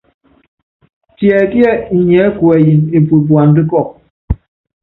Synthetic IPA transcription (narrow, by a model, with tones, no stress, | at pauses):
tjɛ˨kjɛ˦˨ɲɛ˨˦kwɛ˨ji˨ne˨pu˨bwa˨n˦di˦kɔ˦˨k̚